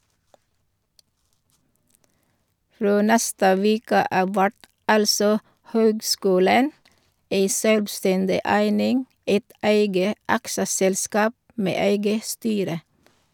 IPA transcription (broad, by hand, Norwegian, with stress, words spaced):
ˈfɾoː ˈnɛstə ˈʋeːkə ˈɑːʋ ˈʋæʈ ˈɑlsɔ ˈhøːɡˌskʉːlən ˈeɪ ˈʃøːlʋˌstɛndɪ ˈæɪnɪŋ ˈæɪt ˈæɪɡə ˈɑksəsɛlˌskɑːp ˈmeː ˈæɪɡə ˈstyːɾə